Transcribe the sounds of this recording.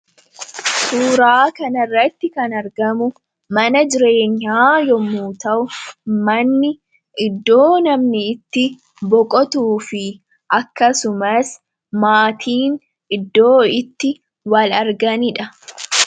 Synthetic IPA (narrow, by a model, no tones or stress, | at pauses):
suːɾaːkɐnɐrːɐt̪ːɪkɐnɐɾɡɐmʊ | mɐnɐd͡ʒɪɾe̞ːɲːaːjɔmːuːt̪ɐʔʊmɐnːɪ | ʔɪd̪ːo̞ːnɐmnɪːt̪ːɪ | bɔkʼɔt̪uːfɪ | ʔɐkːɐsʊmɐs | maːt̪ʰiːn | ɪd̪ːo̞ːɪt̪ːɪ | wɐlɐɾɡɐnɪᶑɐ